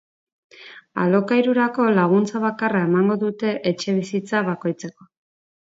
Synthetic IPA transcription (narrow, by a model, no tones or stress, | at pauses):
a̰lo̞kajɾuɾako̞laɣ̞unt͡saβakarae̞maŋɡo̞ðut̪e̞ʔet͡ʃe̞β̞isit͡saβako̞jt͡se̞ko̞